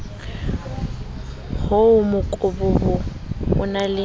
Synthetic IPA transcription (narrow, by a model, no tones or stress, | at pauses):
hʊʊmʊkʼʊbʊbʊ | ʊnalɪ